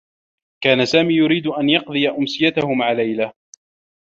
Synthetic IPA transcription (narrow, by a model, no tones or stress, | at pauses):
kaːnasaːmiːjʊɾiːd̪ʊʔanjɑq̚d̪ˤɨjaʔʊmsɪjat̪ahʊmaʕalajla